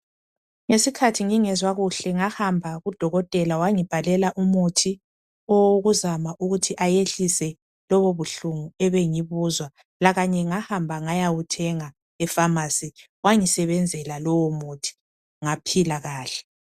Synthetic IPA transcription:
ŋesikʰatʰiŋiŋɛzwaɣuɬɛŋahambʱaɣud̥ʱɔɣɔtʼɛlawaŋib̥ʱalɛlaʔumutʰi | ɔwoɣuzamaʔuɣutʰiʔajeɬisɛ | lɔβoβuɬuŋuɛβeŋiβuzwa | laɣaɲɛŋahambʱaŋajawutʰɛŋa | ɛfamasi | waŋisɛβɛnd͡zʱɛlalɔwɔmutʰi̥ | ŋapʰilaɣaːɬɛ̥

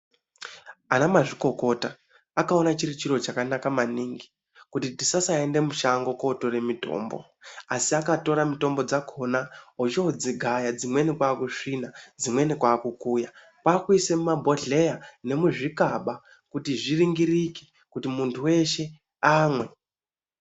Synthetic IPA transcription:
anamaʐiko̞ko̞ta | akao̞nat͡ʃirit͡ʃiro̞t͡ʃakanakamaniŋɡi̥ | kutitisasaende̞muʃaŋɡo̞ko̞to̞re̞mito̞̰ːmbo̞̰ | asiakato̞ɾamito̞mbo̞d͡zakʰonaɦot͡ʃeod͡ziɡʱajad͡zimwe̞nikwaːkuʂinad͡zimwe̞nikwaːkukuːja | pwaːkuisemumabʱo̞ɮe̞jane̞muʐikaɓa | kutiʐiriŋɡiriki̥ | kutimuntʰuwe̞ʃe̞ | aːmwe̞

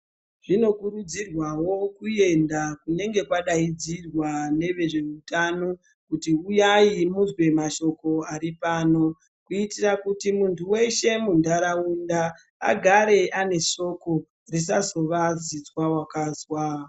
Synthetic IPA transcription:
ʐ̥ino̞kuɾud͡zirwawo̞kuje̞ndakune̞ŋɡe̞kwaɗaid͡zirwane̞ʋe̞ʐe̞utano̞ | kutiujaimuzwe̞maʃo̞ko̞aɾipaːno̞ | kuitirakutimuntʰuwe̞ʃe̞mundaɾaunda̰ː | ɡʱaɾe̞ʔane̞ʃo̞ko̞ | ris̬azo̞ʋazit͡swawakaːzwa

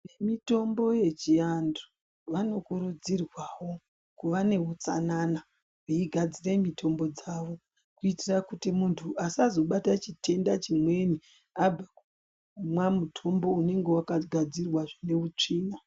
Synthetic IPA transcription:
nemito̞mbo̞je̞t͡ʃiando̥ | ʋano̞kuɾud͡zirwawo̞ | kuʋane̞ut͡sa̰nana | uiɡʱad͡ziremitʰo̞mbo̞d͡zaʋo̞ | kuitirakutimuntʰuʔasazo̞ɓatat͡ʃitʰe̞ndat͡ʃimwe̞ni | ab͡vaku | mwamutʰo̞mbo̞une̞ŋɡe̞wakaɡʱad͡zirwaʐine̞ut͡ʂiːna

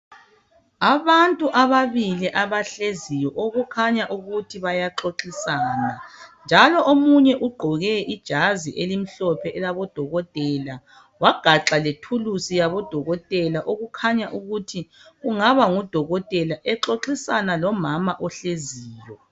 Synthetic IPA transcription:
aβantʼuʔaβaβiliʔaβaɬezijɔʔoɣukʰaɲaʔuɣutʰiβajaǁoǁisaːnand͡ʒʱalɔʔomuɲɛʔuɡ͡ǃʱɔɣɛʔid̥ʒ̥ʱaziʔelim̩ɬɔpʰɛʔɛlaβɔd̥ʱɔɣɔtʼɛla | waɡ̥ʱaǁaletʰulusijaβɔd̥ʱɔɣɔtʼɛlaʔoɣukʰaɲaʔuɣutʰiɣuŋaβaŋud̥ʱɔɣɔtʼɛlaʔɛǁoǁisanalɔmamaʔɔɬeziːjɔ

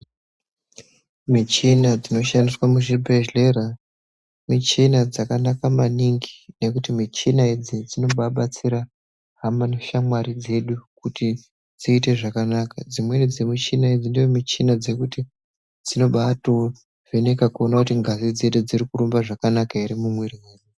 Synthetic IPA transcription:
mit͡ʃinad͡zino̞ʃandiswamuʐibʱeʒle̞ɾa | mit͡ʃinad͡zakanakamaniŋɡine̞kutimit͡ʃinaid͡zid͡zino̞ɓaɓat͡siɾa | ɦamanoʃamwaɾid͡ze̞ɗukuti | d͡ziːte̞ʐakanakad͡zimwe̞nid͡zemut͡ʃinaid͡zindeomit͡ʃinad͡zekuti | d͡zino̞ɓato | ʐ̥enekakuonakutiŋɡazid͡zeɗud͡ziɾikuɾumbaʐakanakaiɾimumweɾijeːɗu

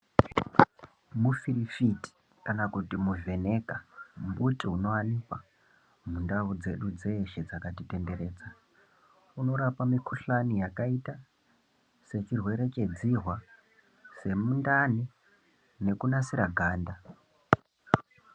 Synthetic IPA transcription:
mufiɾifiti̥ | kanakutimuve̞ne̞kambutiuno̞anipa | mundaud͡ze̞ɗud͡ze̞ʃed͡zakatite̞nde̞ɾe̞ːd͡za | uno̞ɾapamikʰuɬanijakaita | se̞t͡ʃirwe̞ɾe̞t͡ʃe̞d͡ziɦwa | se̞mundani | ne̞kunasiɾaɡʱaːnda

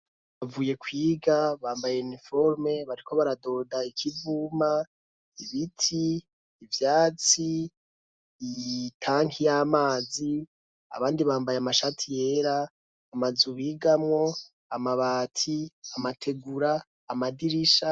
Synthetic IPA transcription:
βavuːje̞kwiːɡaβaːmbajeunifoɾme̞βaɾikʰo̞βaɾado̞ːdaikʰivuːma | iβitʰiː | vjaːt͡si | tʰaːŋijamaːzi | a̰βaːndiβaːmbajeamaʃatʰije̞ɾaː | mazuβiːɡamŋo̞ | amaβaːtʰiamatʰe̞ɡuɾaː | madiɾiʃa

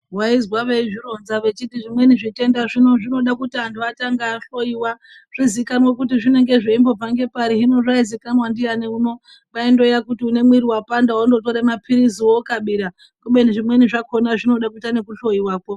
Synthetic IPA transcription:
ɦwaizwaʋeiʐiɾo̞nzaʋe̞t͡ʃitiʐimwe̞niʐite̞ndaʐinoʐino̞ɗakutianduataŋɡaɬo̞iwa | ʐ̥izikanwakutiʐine̞ŋɡe̞ʐeimbo̞b͡vaŋɡe̞paɾiɦino̞ʐaizikanwandianeuno̞ | ʋaindo̞jakutiune̞mwiɾiwapandawondo̞toɾemapiɾiziwokaɓiɾa | kuɓeniʐimwe̞niʐako̞naʐino̞ɗak̬utanekuɬo̞iwaːko

